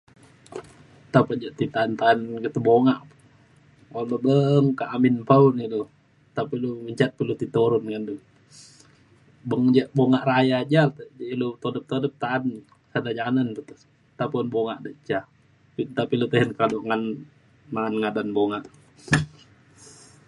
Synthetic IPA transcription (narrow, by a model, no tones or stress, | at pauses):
t̪apad͡ʒaʔt̪it̪ant̪anɡit̪uboŋaʔp | alubəŋkaʔaminpaunɡidu | t̪apiluməɲt͡ʃat̪̚pilut̪it̪oɾɔnŋandu | bəŋd͡ʒaʔboŋaʔɾajad͡ʒalt̪əd͡ʒilut̪odəp̚t̪odəp̚t̪an | sadad͡ʒanandut̪ə | t̪apnboŋaʔdəʔt͡ʃa | pit̪apilut̪əɦɛnkadoʔŋan | maːnŋadanboŋaʔ